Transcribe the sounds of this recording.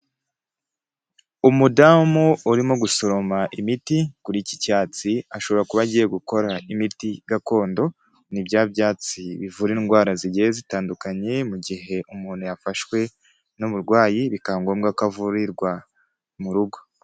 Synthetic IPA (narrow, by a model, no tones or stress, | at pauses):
umudamuuɾimo̞ɡuso̞ɾo̞maʔimitikuɾiːcicaːt͡siaʃo̞βo̞ɾakuβaɟije̞ɡuko̞ɾaimitiɡako̞ːndo̞ | nibjaːbjaːt͡siβivuɾiŋɡwaːɾaziɟejezitaːndukaɲe̞muɟiɦe̞ʔumuːn̥hujafaʃwe̞ | nuβuɾɡwaːjiβikaŋɡo̞ːmɡakavuɾiɾɡwa | muɾuɡo̞